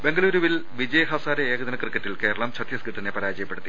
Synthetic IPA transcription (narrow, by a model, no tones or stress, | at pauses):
be̞ŋɡɐluːɾuʋil | ʋid͡ʑɐjɦɐsaːɾeeːɡɐd̪ðɐnɐkrɨkːɐtːilke̞ːɾɐɭɐmt͡ɕʰɐt̪jɐskiʈːɐnepɐɾaːd͡ʑɐjɐpːe̞ɽut̪ːi